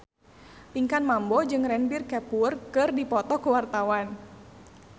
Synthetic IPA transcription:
t̪iŋkanmambɔd͡ʒɨŋrɛnbirkɛpurkɨrdipɔt̪ɔkuwart̪awan

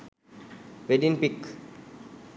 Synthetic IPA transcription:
ʋeɖinpik

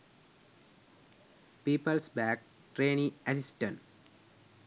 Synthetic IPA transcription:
piːpəlsbæːk̚ | ʈɾeːnĩesisʈə̃n

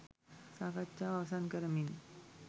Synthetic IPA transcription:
sakat͡ʃawasankəɾmin

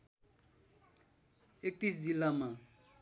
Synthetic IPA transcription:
ek̚t̪isd͡zilːama

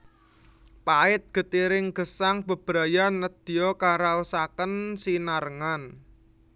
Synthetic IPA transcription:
paɪt̪̚ɡ̥ə̤t̪iɾɪŋɡ̥ə̤saŋb̥ə̤b̥ɾa̤janəd̪̥i̤ɔkaɾausakənsinaɾəŋan

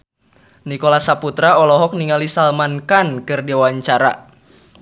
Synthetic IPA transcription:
nikɔlasaput̪ɾaɔlɔɦɔk̚niŋalisalmankankɨrdiwaɲt͡ʃaɾa̰

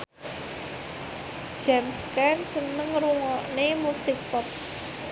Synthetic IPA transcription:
ʒ̥amskansənəŋruŋɔnemusɪk̚pɔp̚

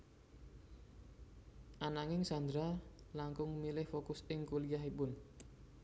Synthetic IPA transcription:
ʔanaŋɪŋsand̪ɾalaŋkʊŋmilɪhfokʊsɪŋkulijaɦipʊn

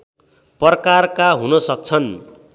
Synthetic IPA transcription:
pʌrkarkaɦunʌsʌk̚t͡sʰʌn

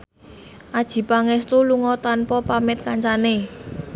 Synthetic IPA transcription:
ʔad̥ʒ̥i̤paŋɛst̪uluŋɔt̪anpɔpamɪt̪̚kaɲt͡ʃane

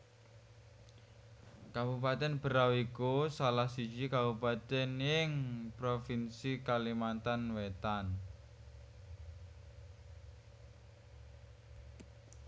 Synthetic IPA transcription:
kabupat̪ɛnbə̤ɾawikusalahsi̥d͡ʒikabupat̪ɛnjɪŋpɾofinsikalimant̪anwet̪an

